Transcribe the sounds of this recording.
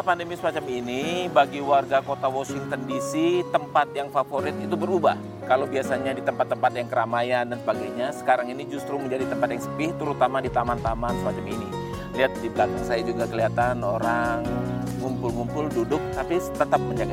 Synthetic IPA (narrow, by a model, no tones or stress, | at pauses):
pandəmisəmat͡ʃaminibaɡiwarɡakot̪awosiŋt̪əndisit̪əmpat̪̚jaŋfafoɾɪt̪it̪ubəɾubah | kalowbiasaɲadit̪əmpat̪ːəmpat̪jaŋkəɾamajandansəbaɡajɲasə̥kaɾaŋinid͡ʒust̪ɾuməɲd͡ʒadit̪əmpat̪̚jaŋsəpɪht̪əɾut̪amadit̪amant̪amansəmat͡ʃamini | liat̪̚dibat̪aŋsajad͡ʒuɡakəliat̪anoɾaŋː | umpʊlŋumpʊldudʊk̚t̪apit̪ət̪ap̚məɲd͡ʒaɡa